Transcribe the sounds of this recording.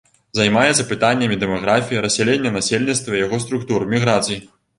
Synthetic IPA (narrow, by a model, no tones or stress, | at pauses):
zajmajɛt̪sɐpɨt̪anʲːɐmʲid̪ɛmaɣɾafʲijiɾɐsʲɛlʲenʲːɐnasʲelʲnʲit̪st̪vɐijaɣɔst̪ɾukt̪urmʲiɣɾat̪sɨji